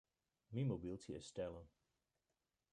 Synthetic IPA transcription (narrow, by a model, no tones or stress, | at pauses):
mimobɪlˠtʰiə̰stɛlə̃n